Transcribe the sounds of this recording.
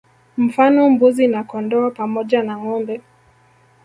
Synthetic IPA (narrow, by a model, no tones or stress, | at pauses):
m̩fanɔmbuzinakɔndɔapamɔʄanaŋɔmbɛ